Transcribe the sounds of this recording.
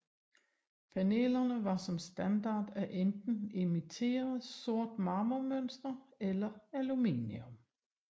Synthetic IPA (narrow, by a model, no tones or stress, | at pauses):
pʰæne̝̰ːlɐnəʋɑ̈sɒ̽msd̥ænd̥ɑ̰̈ːd̥æʔend̥n̩imit͡sʰe̝̰ːɐðˠso̝ɐ̰d̥mɑ̈ːmomønsd̥ɐelɐælumḭːniɔm